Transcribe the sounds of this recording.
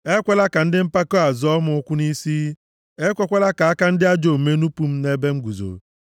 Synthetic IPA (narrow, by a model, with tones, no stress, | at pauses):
e˦kʷe˦la˦ka˨n̩˦dɪ˦m̩˦pa˦ko˦a˨zɔ˦mʊ˨˦kʷʊ˦ni˦si˦ | e˦kʷɔ˦kʷe˦la˦ka˨a˦ka˦n̩˦dɪ˦a˦d͡ʒo˨me˦nu˦pu˦m̩˦ne˦be˦ŋ̩˦ɡʷu˨zo̰˨